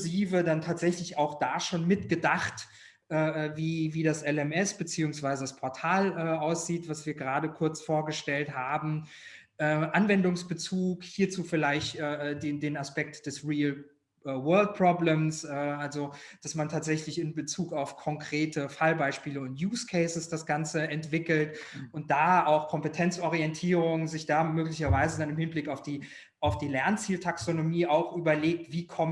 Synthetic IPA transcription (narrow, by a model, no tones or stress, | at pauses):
ziːvədantʰaːtz̥ɛçlɪçaʊxd̥aːʃoːnmɪtɡ̥ədaχt | ʔɛːɛːviːviːdasʔɛlɛmɛsb̥ət͡siːʊŋsv̥aɪzədaspʰɔɐtʰaːlʔɛːʔaʊsz̥iːtv̥asv̥iːɐɡəʁaːdəkʰʊɐt͡sfoːɐɡəʃtɛlthaːbm̩ | ʔɛːʔanvɛndʊŋsb̥ət͡suːkhiːɐt͡suːfɪlaɪçtʔɛːdeːndeːnaspɛk̚td̥ɛsʁiːl | ʔɛːwɜɐlt̚pʁ̥ɔbləmsʔɛːʔalzod̥asmantʰaːtz̥ɛçlɪçɪnbət͡suːkaʊfkʰɔŋkʁ̥eːtʰəfalbaɪʃpiːləʊntjuːskʰɛɪsəsd̥asɡ̥ant͡səɛntv̥ɪkl̩tʊnt̚d̥aːaʊxkʰɔmpətʰɛnt͡sʔɔʁ̞iɛntʰiːʁʊŋzɪçd̥aːmøːklɪçɐvaɪzədanɪmhɪnblɪkaʊfd̥iː | ʔaʊfd̥iːlɛɐnt͡siːltʰaksonomiːʔaʊxʔyːbɐleːk̚tv̥iːkʰɔm